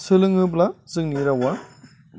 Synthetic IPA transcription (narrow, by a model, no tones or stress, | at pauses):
sɯlɯŋɯblazɯŋniɾawa